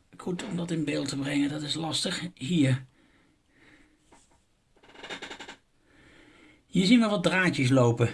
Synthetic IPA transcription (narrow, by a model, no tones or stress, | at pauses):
kutʰɔmdɑtɪnbɪːlˠtəbrɛŋədɑtɪslɑstəχɦiːɹ | jəzinʋəʋɑd̚draːt͡ʃəs̬lowpə